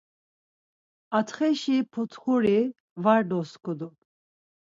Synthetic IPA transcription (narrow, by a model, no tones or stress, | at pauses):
at̪ʰχɛʃipʰut̪ʰχuɾi | vaɾɖɔskʰud̪u